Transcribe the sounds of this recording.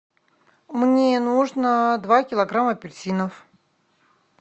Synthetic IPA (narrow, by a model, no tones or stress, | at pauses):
mnʲenuʐnəd̪vakʲɪlˠɐɡɾaməpʲɪrsʲinəf